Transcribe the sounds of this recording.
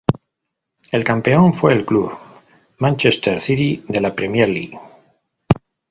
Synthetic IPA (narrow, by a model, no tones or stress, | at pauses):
e̞lkampe̞o̞ɱfwe̞ːlkluβ | mãnt͡ʃest̪eɾθiɾiðe̞lapɾe̞mjeɾlḭɣ